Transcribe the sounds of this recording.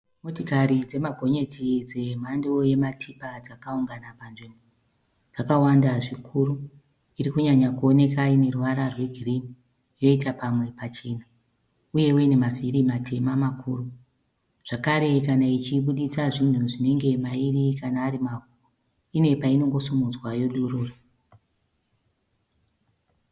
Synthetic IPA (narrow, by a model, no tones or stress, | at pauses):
motikaɾid͡ze̞maɡʱo̞ɲe̞tid͡ze̞m̤andoje̞matʰipad͡zakauŋɡanapanʐimbo | d͡zakawandaʐikʰuru | iɾikuɲaɲakuo̞ne̞kaine̞ruʋaɾarwe̞ɡʱirini | jo̞itapamwe̞pat͡ʃena | uje̞uiine̞mavirimatʰe̞mamakʰuːru | ʐ̥akaɾe̞kanait͡ʃiɓuɗisaʐin̤uʐine̞ŋɡe̞mairikanaːɾimaku | ine̞paino̞ŋɡo̞sumud͡zwajo̞ɗuruːra